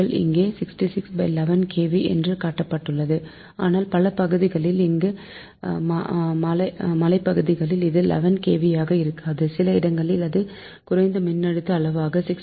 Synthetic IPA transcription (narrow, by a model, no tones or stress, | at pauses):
ɐɭʔɪ̰ŋɡeːsɪksʈisɪksbɐɪlɛʋɐnkʰeːʋiʔɛ̰ndrɯkaːʈːɐpːɐʈːɯɭːɐðɯ | a̰ːnaːlpɐlɐpɐɣɯðɪɣɐɭɪlɪŋɡɯ | mmɐlɐmɐlɐɪpːɐɣɯðɪɣɐɭɪlɪðɯlʔɛ̰ʋɐnkeːʋɪjaːɣɐɪɾɯkːaːðɯsɪlɐɪɽɐŋɡɐɭɪlɐðɯ | kʊɾɐɪnd̪ɐmɪnːɐɽɯt̪ːɐːɭɐʋaːɣɐsɪks